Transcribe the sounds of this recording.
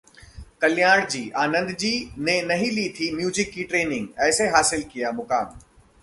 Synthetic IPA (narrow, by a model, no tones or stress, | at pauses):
kɐljaːɽd͡ʒiːʔaːnə̃nd̪d͡ʒiːnenɐɦĩliːt̪ʰimjuːzɪkːiʈɾeːnɪ̃ŋɡɛːseɦaːsɪlkijamʊkaːm